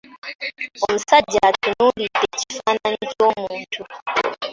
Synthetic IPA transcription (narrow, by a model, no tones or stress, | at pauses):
omusaɟatunulitecifananicoːmuːntʰu